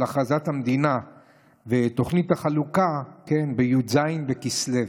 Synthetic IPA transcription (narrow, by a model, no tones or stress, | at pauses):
aχazathamd̪ina | vet̪o̞χnit̪haχalukake̞nbejuzajnvekislev